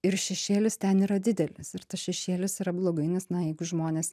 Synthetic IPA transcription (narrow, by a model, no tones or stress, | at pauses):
ɪɾʃʲɛʃʲeːlʲɪst̪ʲɛniːɾɐd̪ʲɪd̪ʲɛlʲɪsɪɾt̪ɐsʃʲɛʃʲeːlʲɪsiɾɐblˠoːɡɐɪnʲɛsnɐjɛɪɡʊʒmoːnʲeːs